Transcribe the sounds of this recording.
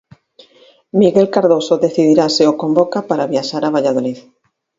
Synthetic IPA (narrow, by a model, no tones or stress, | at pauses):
miɣelkaɾðosoðeθiðiɾaseokombokapaɾaβiaʃaɾaβ̞aʎað̞olið